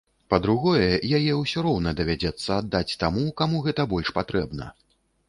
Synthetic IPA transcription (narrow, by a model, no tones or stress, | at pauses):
pɐd̪ɾuɣɔjɛjajɛuwsʲɔɾɔwnɐd̪ɐvʲad͡zʲɛt̪sːɐːd̪ːat͡sʲt̪amukamuɣɛt̪ɐbɔlʲʂpat̪ɾɛbnɐ̰